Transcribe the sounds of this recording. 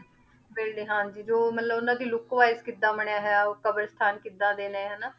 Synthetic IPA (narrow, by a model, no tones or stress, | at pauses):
beːlɖeːɦãːd͡ʒiːd͡ʒoːmət̪ləbonãːd̪iːlʊkːʋaːɪskɪd̪ãːməɳjaːɦɛaːoːkəbəɾst̪ʰaːnkɪd̪ãːd̪eːnẽːɦənaː